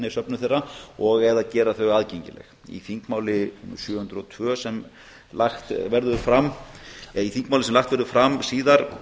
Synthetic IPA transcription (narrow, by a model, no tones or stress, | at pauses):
nɪsœpnʏθejrːaɔɣɛðaðcɛːɾaθœɥɣaːðcejɲcɪ̰lɛ̰x | ḭθiŋkmaːwlɪsjœːhʏnt̪ɾɔt̪ʰvœːsɛm | laxt̪vɛɾðʏfɾam | iθiŋkmaːwlɪsɛmlaxt̪vɛɾðʏfɾamsiːðaɾ